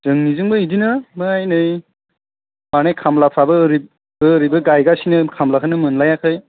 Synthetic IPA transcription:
zɯŋnizɯŋbɯidinɯmɯŋajnɯj | manekʰamlapʰabɯːɾi | bɯːɾibɯɡajɡasinɯkʰamlakʰɯnɯmɯnlajakʰɯj

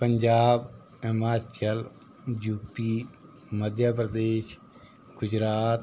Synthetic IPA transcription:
pəɲd͡ʒaːb | əmaːɾt͡ʃəl | juːpiː | məd̪ʱjap̬ɾəd̪eːʃ | ɡʊd͡ʒɾaːt̪

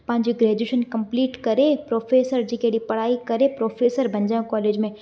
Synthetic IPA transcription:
pɐ̃ɦɪ̃ɲd͡ʑoɡɾeːd͡ʒeʃənkɐ̃mpliːʈkɐɾepɾoːfʰeːsəɾd͡ʑiːkeɽipɐɽ̤aːikɐɾepɾoːfʰeːsəɾbʱɐ̃ɲd͡ʒãːkɔːleːd͡ʑmẽ

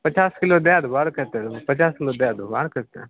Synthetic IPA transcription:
pət͡ʃaːskɪlod̪jad̪baːɾkəɾt̪ɐɾpət͡ʃaːskɪlod̪jaːd̪ubaːɾkəɾt̪a̰

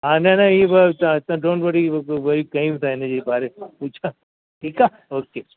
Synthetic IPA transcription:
ɦaːnanaiebɐt̪ãɪt̪ãɖõːɳʈʋɐɽiʋɐɾikɐĩbɪt̪ʰaɪnəd͡ʑeːpaːɾepuːt͡ʃʰa | ʈʰiːka | oːkeː

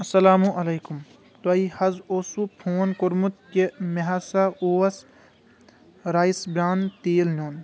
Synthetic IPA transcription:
ɐsɐlaːmũʔɐleːkum | t̪ɐihɐzoːsupʰoːnkoɾmut̪̚kemeɦasaoːɐs | ɾaːjsbɾaːnt̪eːlnoːn

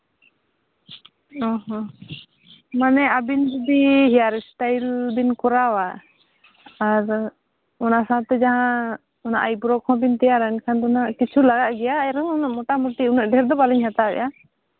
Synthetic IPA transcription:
ɔɦɔ̃ | manɛabind͡ʒud̪iɦijaɾɛsʈajld̪inkɔɾawa | ɾ | ɔnasat̪ɛd͡ʒaɦã | ɔna̰ʔajbɾɔkʰɔ̃bint̪ɛjaɾankʰand̪ɔnaʔkit͡ʃʰulaɡaʔɡɛjaːjɾɔŋɔnaʔmɔʈamuʈiunaʔ̚ɖɛɾd̪ɔbaliɲhat̪abɛ̰ʔa

